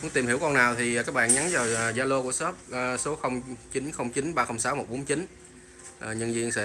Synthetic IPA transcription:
ʊ˧˥˦ŋt̪i˨˩mhi˧˩əwkɔ˧naː˨˩wt̪ʰi˨˩kaː˦˥k̚ɓa̰ː˧˨nɲa˨˦nzaː˨˩wzaː˧lo˧ku˧˩əsɔ˦˥p̚ːso˨˦xə˧wŋ͡mt͡ɕi˨˦nxə˧wŋ͡mt͡ɕi˨˦nɓaː˧xə˧wŋ͡msaː˨˦wmo˨˩t̚ɓo˨˦nt͡ɕi˨˦n | ʔːɲə˧nzi˧ənsɛ̰˧˥

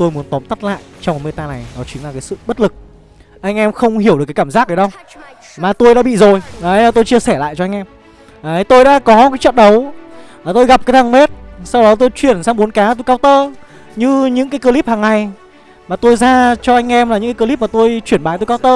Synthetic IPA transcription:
t̪o˧jmu˨˦ənt̪ɔ˨˦mt̪ə˦˥t̚la̰ː˧˨jt͡ɕɔ˧wŋ͡m̚me˧jt̪aː˧na˨˩jɗɔ˨˦t͡ɕï˨˦ŋlaː˨˩kaː˨˦sɨ̰˧˨ɓə˦˥t̚lɨ˨˩k̚ | ʔa˧jŋ̟ʔɛ˧mxə˧wŋ͡mhi˧˩wɨ˨˩kaː˨˦kːaː˧˩mzaː˦˥k̚ʔəː˨˦ɗə˧w | maː˨˩t̪o˧jɗa̰ː˧˥ɓḭ˧˨zo˨˩jʔə˨˦jlaː˨˩t̪o˧jt͡ɕi˧əsɛ˧˩la̰ː˧˨jt͡ɕɔ˧ʔa˧ŋ̟ʔɛ˧m | ʔə˨˦jt̪o˧jɗa̰ː˧˥kɔ˨˦kaː˨˦jt͡ɕə̰˧˨nɗə˨˦waː˨˩t̪o˧jɣa˨˩p̚kaː˨˦jt̪ʰaː˧˩ŋme˦˥t̚sa˧wɗɔ˨˦t̪̬o˧jt͡ɕwi˧˩ənsaː˧wŋ͡mɓo˨˦nkaː˨˦t̪o˧jkaː˧wt̪əː˧ | ɲɨ˧ɲɨ̰˧˥ŋkaː˨˦jkəː˧li˦˥p̚haː˨˩ŋːa˨˩j | maː˨˩t̪o˧jzaː˧t͡ɕɔ˧ʔa˧jŋ̟ʔɛ˧mla˨˩ɲɨ̰˧˥ŋaː˨˦kə˧li˦˥p̚maː˨˩t̪o˧jt͡ɕwi˧˩ənɓaː˨˦t̪o˧jkaː˧wt̪əː˧

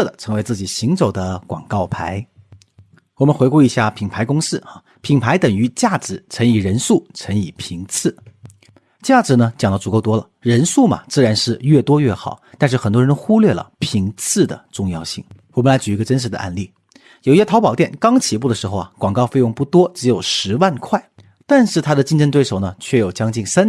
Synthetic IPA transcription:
d̪ə˩ʈ͡ʂʰɤ˧˥ŋwe˧˥ɪt͡sɹ̩˥˩t͡ɕi˨˩ɕi˧˥ŋt͡so˨˩ʊd̪ə˦kwɑ̰˨˩ŋkɑ˥˩ʊpʰa̰˧˥ɪ | wɔ˨˩mə˦nxwe˧ɪku˥˩i˧˥ɕja˥˩pʰi˨˩ŋpʰa˧˥ɪkʊ˥ŋʂɹ̩˥˩a˨˩ | pʰi˨˩ŋpʰa˧˥ɪt̪ə˨˩ŋy˧˥t͡ɕja˥˩ʈ͡ʂɻ̩˧˥t͡sʰə˧˥ŋi˨˩ɻə˧˥nʂu˥˩t͡sʰə˧˥ŋi˨˩pʰi˧˥ŋt͡sʰɹ̩˥˩ | t͡ɕja˥˩ʈ͡ʂɻ̩˧˥nə˧t͡ɕjɑ˨˩ŋlə˧˩t͡su˨˩ko˥˩ʊt̪wɔ˥lə̰˨˩ɻə˧˥nʂu˥˩mɐ̰˩t͡sɹ̩˥˩ɻa˧˥nʂɻ̩˥˧ɥɛ˥˩t̪wɔ˥ɥɛ˥˩xɑ˨˩˦ʊt̪a˥˧nʂɻ̩˥˩xə˨˩nt̪wɻə˧˥nxu˥lɥɛ˥˩lə̰˩pʰi˧˥ŋt͡sʰɹ̩˥˩d̪ə̰˩ʈ͡ʂʊ˥˧ŋjɑ̰˥˧ʊɕḭ˥˩ŋwɔ˨˩mə˦nla˧˥ɪt͡ɕy˨˩i˧˥ɡə˧ə˥nʂ̬ɻ̩˧˥d̪ə̰˧ʔa̰˥˧nli˥˩ | jo˨˩ʊi˥ɕɛ˥t̪ʰɑ˧˥pɑ˨˩ʊt̪jɛ˥˩nkɑ˥ŋt͡ɕʰi˨˩pu˥˩d̪ə˩ʂɻ̩˧˥xo˧ʊɐ˩kwɑ˨˩ŋkɑ˥˧ʊfe˥˧ɪjʊ˥˧ŋpu˥˩t̪wɔ˥ʈ͡ʂɻ̩˧˥jo˨˩ʊʂɻ̩˧˥wa˥˧nkʰwa˥˩ɪ | t̪a˥˧nʂɻ̩˥˩t̪ʰa˥d̪ə˨t͡ɕi˥˧ŋʈ͡ʂə˥˧nt̪we˥˩ɪʂo˨˩ʊnə˩t͡ɕʰɥɛ˥˩jo˨˩ʊt͡ɕjɑ˥ŋt͡ɕi˥˩nsa˥n

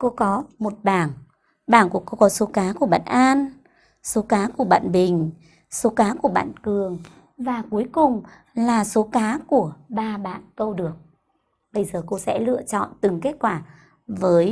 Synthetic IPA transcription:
ko˧kɔ˨˦mo˨˩t̚ɓaː˧˩n | ɓaː˧˩nku˧˩əko˧kɔ˨˦so˨˦kaː˨˦ku˧˩əɓa̰ː˧˨nʔaː˧n | so˨˦kaː˨˦ku˧˩əɓa̰ː˧˨nɓï˨˩ŋ̟ | so˨˦kaː˨˦ku˧˩əɓa̰ː˧˨nkɨ˨˩əŋ | vaː˨˩ku˨˦əjkʊ˨˩ŋ͡m | laː˨˩so˨˦kaː˨˦ku˧˩əɓaː˧ɓa̰ː˧˨nkə˧wɗɨ˨˩ək̚ | ɓə˧jzəː˨˩ko˧sɛ̰˧˥lɨ̰˧ət͡ɕɔ̰˧˨nt̪ɨ˨˩ŋke˦˥t̚kwaː˧˩ | vəː˨˦j

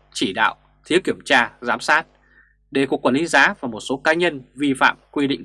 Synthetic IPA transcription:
t͡ɕi˧˩ɗa̰ː˧˨w | t̪ʰi˨˦əwki˧˩əmt͡ɕaː˧zaː˨˦msaː˦˥t̚ | ɗe˧˩ku˨˩əkwaː˧˩li˨˦zaː˨˦vaː˨˩mo˨˩t̚so˨˦kaː˨˦ɲə˧nvi˧fa̰ː˧˨mkwi˧ɗḭ˧˨ŋ

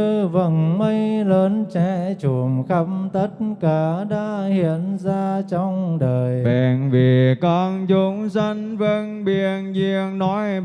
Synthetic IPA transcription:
ə˧və˧˨˩nmə˧jləː˨˦nt͡ɕɛ˧˩t͡ɕu˧˩əmxə˧˦mt̪ə˦˥t̚kaː˧˩ɗaː˧hi˧˩ənzaː˧t͡ɕɔ˧wŋ͡mɗəː˨˩jɓɛ̰˧˨˩nvi˨˩kɔ˧nt͡ɕu˨˦ŋ͡msə˧ŋvə˧ŋɓi˨˩ənzi˧˨əŋnɔ˨˦j

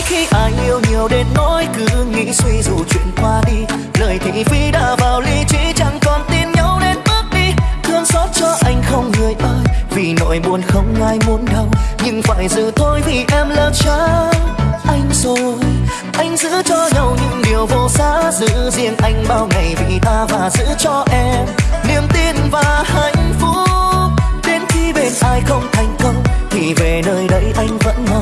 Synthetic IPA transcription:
xi˧ʔaː˧˩jɲi˧əwɲi˨˩əwɗe˧nːo˧˥jkɨ˨˦ŋḭ˧˥swi˧zu˨˩t͡ɕwḭ˧˨ənkwaː˧ɗi˧ | ləː˨˩jt̪ʰḭ˧˨fi˧ɗa̰ː˧˩vaː˨˩wli˧t͡ɕḭ˧˥t͡ɕa˧˦ŋkɔ˨˩nt̪i˧nɲə˧˥wne˧nɓɨ˦˥ək̚ɗi˧t̪ʰɨ˧əŋsɔ˦˥t̚t͡ɕɔ˧ʔa˧jŋ̟xə˧wŋ͡mŋɨ˨˩əjʔəː˧jvi˨˩no̰˧˥jmu˨˩ənxə˧wŋ͡mŋaː˧jmu˨˦ənɗə˧wɲɨ˧ŋfa̰ː˧˨˩jzɨ˨˩t̪o˧jt̪ʰi˨˩ʔɛ˧mləː˨˩t̚t͡ɕaː˧˦ | ʔa˧jŋ̟su˧˦j | ʔa˧jŋ̟zɨ̰˧˥t͡ɕɔ˧ɲə˨˩wɲɨ̰˧˥ŋɗi˨˩əwvo˧˩saː˧˦zɨ̰˧˥zḭ˧ənʔa˧jŋ̟ɓaː˧wŋa˨˩jvḭ˨˩t̪aː˧vaː˨˩zɨ̰˧˥t͡ɕɔ˧ʔɛ˧mni˧˩əmt̪i˧nvaː˨˩ha˧˦jŋ̟fu˧˥ | ɗe˨˦nxi˧ɓe˧˩nʔaː˧jxə˧wŋ͡mt̪ʰa˨˩jŋ̟kə˧wŋ͡mt̪ʰi˨˩ve˨˩nəː˧jɗə˨˦˥jʔa˧jŋ̟və̰˧˥nhə˨˧˩

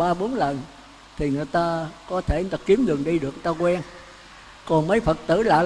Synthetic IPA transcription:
ɓaː˧ɓo˨˦nlə˨˩n | t̪ʰi˨˩ŋɨ˨˩əjt̪aː˧kɔ˨˦t̪ʰe˧˩˨t̪aː˧ki˨˦əmɗɨ˨˩əŋɗi˧ɗɨ˨˩əkt̪aː˧kwɛ˧n | kɔ˨˩nmə˨˦jfə˨˩t̚t̪ɨ̰˧˩la̰ː˧˨

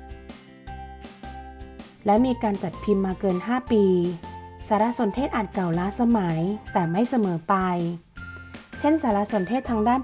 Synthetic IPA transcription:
lɛ˦˥miː˧kaː˧nt͡ɕa˨˩t̪̚pʰi˧mːaː˧kɤː˧nɦaː˥˩piː˧saː˩˦la˧˥so˩˦nt̪ʰeː˥˩t̪̚ʔaː˨˩t̪̚ka˨˩wlaː˧˥sa˧ma˩˦jt̪ɛː˨˩ma˥˩jsa˧mɤː˩˦pa˧j | t͡ɕʰe˥˩nsaː˩˦la˧˥so˨˩˦nt̪ʰeː˥˩t̪ʰːaː˧ŋdaː˥˩˨n

